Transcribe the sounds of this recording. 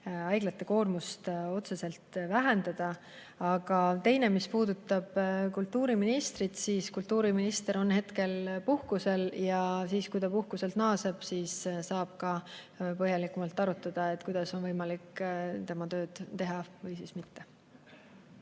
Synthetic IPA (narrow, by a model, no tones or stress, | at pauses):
ɑjɡlɑt̪ːˑe̞ko̞ːrmust̪o̞t̪se̞se̞lt̪væɦe̞nd̪̥ɑd̪̥ɑ | ɑɡ̥ɑt̪e̞jne̞mispuːd̪̥ut̪ːˑɑb̥kult̪ˑːuːɾiminist̪ɾit̪siːskult̪ːˑuːɾiminist̪e̞ɾo̞nhe̞t̪ke̞lpuhkuse̞ljɑsiːskujd̪ɑpuhkuse̞lt̪nɑːseb̥siːsːɑːb̥̚kɑ | pɤɦjɑlikːˑumɑlt̪ːˑɑɾut̪ˑːɑd̪̥ɑe̞t̪ːˑkujd̪̥ɑso̞nvɤjmɑlikːt̪e̞mɑt̪ø̞ːd̪̥t̪e̞ɦɑvɤjsismit̪ːe̞